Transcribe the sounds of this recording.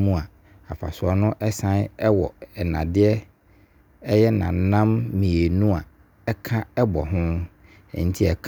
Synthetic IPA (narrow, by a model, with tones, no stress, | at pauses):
mũ˦a˨ | a˨fa̰˨sʊ˨ɔ˦nʊ̃˦ʔɛ˦sã˦nɛ˦wɔ̰˨ɛ˨nã̰˨dɪ˦ɛ˦ | ɛ˦jɛ˦nã̰˨nã˦mːĩ˨e˨nũ˦a˨ | ɛ˦kʰã˦ɛ˦bɔ˨ɦʊ̃˦ | ɛ̰˨n̩˦tʰi˦ɛ˨kʰ